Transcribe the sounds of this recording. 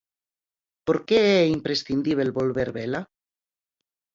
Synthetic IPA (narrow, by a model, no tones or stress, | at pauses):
poɾkeeimpɾesθind̪iβelβolβeɾβela